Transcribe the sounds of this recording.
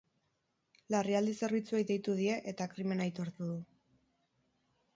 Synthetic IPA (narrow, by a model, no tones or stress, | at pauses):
lariald̪ise̞ɾβ̞it͡suejdðejt̪uðie̞ʔet̪akɾime̞najt̪o̞ɾt̪uðu